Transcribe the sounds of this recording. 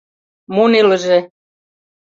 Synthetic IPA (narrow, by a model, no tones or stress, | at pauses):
munilə̆ʒe